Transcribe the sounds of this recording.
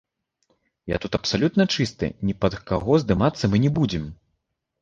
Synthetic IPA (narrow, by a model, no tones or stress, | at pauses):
ja̰t̪ut̪ɐpsalʲut̪nɐt͡ʂɨst̪ɨ̰nʲipɐd̪kaɣɔzd̪ɨmat̪sːɐmɨnʲɛbud͡zʲɛm